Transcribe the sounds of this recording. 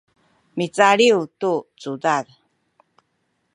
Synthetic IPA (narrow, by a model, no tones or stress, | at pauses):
mit͡saɭiutut͡sudað